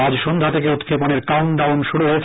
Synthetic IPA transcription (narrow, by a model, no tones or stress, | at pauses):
ad͡ʑʃond̪ʱat̪ʰekeut̪kʰeponeɾkawnɖawnʃuɽuɦoet͡ɕ